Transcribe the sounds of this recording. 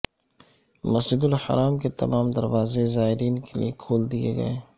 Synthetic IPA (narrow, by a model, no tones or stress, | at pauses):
mɐsd͡ʒɪd̪ʊlhɐ̰ɾaːmket̪ɐ̰maːmd̪ɐɾʋaːzezaːɪɾiːnkelḭekʰoːld̪iḛɡɐ̰eː